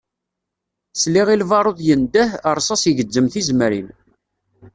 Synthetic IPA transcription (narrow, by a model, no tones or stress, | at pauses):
sliʁilvɑɾˤoðˤjənd̪əhəɾˤsˤɑsjəʝəd͡zːəmθizmɾḭn